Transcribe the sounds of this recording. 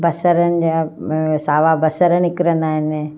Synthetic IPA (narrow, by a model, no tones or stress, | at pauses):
bɐsəɾənɪ̆d͡ʑaːsaːʋabɐsəɾənɪkɪɾə̃nd̪aːɦɪn